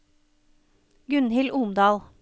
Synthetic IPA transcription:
ɡʉnhɪlʔumd̪ɑːl

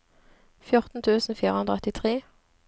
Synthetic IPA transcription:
fjʊʁt̪n̩t̪ʰʉːsn̩fiːʁəhʉnd̪ʁɔt̪ɪt̪ʰʁeː

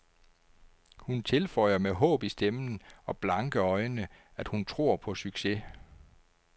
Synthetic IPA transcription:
hunt͡sʰe̝lfɒ̽ɪ̰ɐmeɦɔ̰̽ːb̥isd̥emn̩ɒ̽b̥lɑ̈ŋɡ̥əɒ̽ɪnə | æd̥hunt͡sʰʁo̝ɐ̰pʰɒ̽syɡ̥se

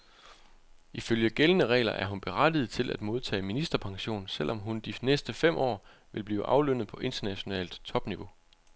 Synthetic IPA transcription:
iføljəɡ̥elənəʁɛ̰ːlɐʔæɐɦunb̥e̝ʁad̥ið̞̩ˠt͡sʰe̝lʔæd̥mo̝ð̞ˠt͡sʰɛ̰ːminisd̥ɐpʰɑ̈ŋɕo̝̰ːnsel̰ʔɒ̽mɦund̥inesd̥əfem̰ʔɒ̰ː | ʋe̝lb̥lḭːʊʔɑ̈ʊløn̰ð̞̩ˠpʰɒ̽ʔe̝nd̥ɐnæɕo̝nɛ̰ːld̥t͡sʰɒ̽b̥niʋo̝

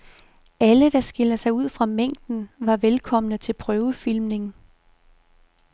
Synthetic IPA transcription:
ʔæləd̥ɑ̈sɡ̥e̝lɐsɑ̈ɪuð̰ˠfʁɑ̈meŋ̰d̥n̩ʋɑ̈ʋelkʰɒ̽m̰ənət͡sʰe̝lpʰʁœːʊəfil̰mne̝ŋ̩

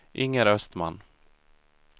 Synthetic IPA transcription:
ʔɪŋːəɾœst̪ma̰nː

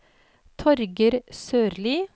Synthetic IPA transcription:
t̪ʰɔɾɡəɾsøːɾliː

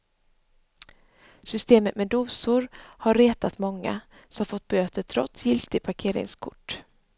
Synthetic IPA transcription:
sʏst̪eːmət̪mɛd̪uːsʊɾhaɾːeːt̪at̪mɔŋːa̰ | sɔmafɔt̪̚ːbøːt̪ət̪ʰɾɔt̪sjɪlt̪ɪpʰaɾkʰeːɾɪ̰ŋskʰʊ̰ʈː

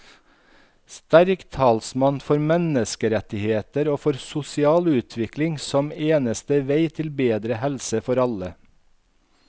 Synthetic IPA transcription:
st̪æɾkt̪ʰɑːlsmɑnfɔɾmɛnəskəɾɛt̪ɪheːt̪əɾoːfɔɾsʊsɪɑːlʉːt̪ʰʋɪklɪŋsɔmeːnəst̪əʋeɪt̪ʰɪlbeːd̪ɾəhɛlsəfɔɾɑlə

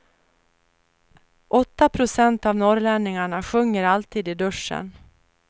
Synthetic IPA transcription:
ʔɔt̪ːapʰɾʊsɛnt̪avnɔɾlɛnːɪŋaɳaɧɵŋːəɾalt̪ʰiːd̪ɪd̪ɵʂə̰n

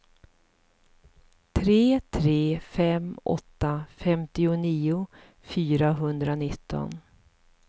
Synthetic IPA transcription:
t̪ʰɾeːt̪ʰɾeːfɛmɔ̰t̪ːafɛmt̪ɪʊniːʊ | fyːɾaɦɵnd̪ɾanɪt̪ːɔ̰n

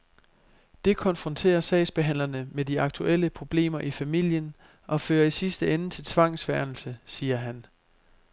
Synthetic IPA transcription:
d̥e̝kʰɒ̽nfʁɒ̽nt͡sʰe̝̰ːɐsɛ̰ɪsb̥e̝ɦæn̰lɐnəmediɑ̈ɡ̥̚t͡sʰuʔel̰əpʰʁo̝b̥le̝̰ːmɐʔifæmil̰jən | ʔɒ̽fø̰ːɐisisd̥əenət͡sʰe̝lt͡sʰʋɑ̈ŋ̰sʋæɐnl̩səsiːɐɦæn

